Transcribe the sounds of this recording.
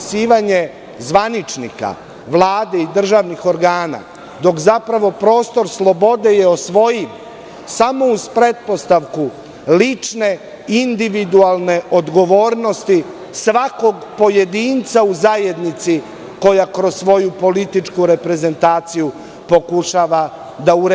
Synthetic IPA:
siːʋaɲe̞ | zʋanit͡ʃnḭka̰ | ʋlˠaːd̪e̞id̪r̩ʒaːʋnixo̞ɾɡaːna̰ | d̪o̞kzapɾaʋo̞pɾo̞ːst̪o̞ɾslˠo̞bo̞d̪e̞je̞osʋo̞jim | samo̞uspɾe̞t̪̚po̞st̪aʋku | lit͡ʃne̞ | ind̪iʋid̪ualne̞ʔo̞d̪ɡo̞ʋo̞ːɾno̞st̪i | sʋako̞ɡpo̞je̞d̪iːnt̪sauzaje̞d̪nit̪si | ko̞jakɾo̞sːʋo̞jupo̞lit̪it͡ʃkuɾe̞pɾe̞ze̞nt̪aːt̪siju | po̞kuʃaːʋa | d̪auɾ

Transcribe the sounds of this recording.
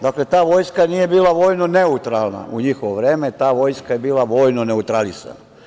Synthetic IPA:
d̪akle̞t̪aːʋo̞jskanije̞biːlˠaʋo̞ːjno̞neut̪ɾaːlˠna̰ʔuɲixoʋoʋɾe̞ːme̞t̪aːʋo̞jskaje̞biːlaʋo̞ːjnone̞ut̪ɾalisa̰na

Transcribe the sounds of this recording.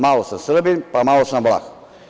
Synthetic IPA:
malˠosəsɾbinpamalˠosnblˠa̰x

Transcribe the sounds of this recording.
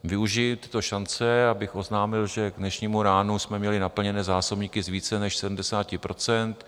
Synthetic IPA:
vɪuʒɪt̪ɪ̥t̪o̞ʃant͡sɛabɪxo̞znaːmɪlʒɛɡdnɛʃɲiːmuɾaːnusmɛmɲɛlɪnapl̩ɲɛnɛːzaːsobɲiːkɪzviːt͡sɛnɛʃsɛdm̩dɛsaːcɪpɾo̞t͡sɛnt̪

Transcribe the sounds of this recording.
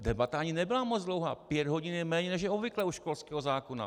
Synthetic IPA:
dɛbat̪aaɲɪnɛbɪlamod͡zd̪lo̞wɦa̰ːpjɛd̪ɦo̞ɟɪnɛmɛːɲɛnɛʒ̬jɛobvɪklɛuʃkolskɛːɦozaːkona̰

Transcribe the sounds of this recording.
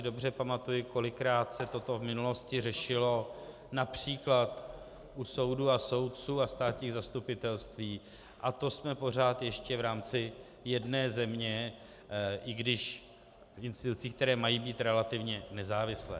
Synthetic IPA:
ɪdo̞br̝ɛpamat̪ujɪko̞lɪkɾaːt̪sɛt̪o̞t̪o̞vmɪnulo̞scɪrɛʃɪlo̞ | napr̝̥iːklat̪ | ʔuso̞wduːaso̞wt̪̚t͡suːast̪aːt̪ɲiːɣzast̪upɪt̪ɛlst̪viː | ʔat̪o̞smɛpo̞r̝aːt̪jɛʃcɛvɾaːmt͡sɪ | jɛdnɛːzɛmɲɛ | ʔɪɡdɪʃ | fɪnst̪ɪt̪ut͡siːkt̪ɛɾɛːmajiːbiːt̪ɾɛlat̪ɪvɲɛnɛzaːvɪslɛ̰ː

